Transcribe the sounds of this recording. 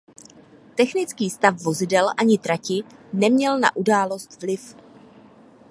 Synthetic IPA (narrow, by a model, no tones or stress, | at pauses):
t̪ɛxnɪt͡skiːst̪afvo̞zɪdɛlʔaɲɪt̪ɾacɪnɛmɲɛlna̰ʔudaːlo̞st̪vlɪf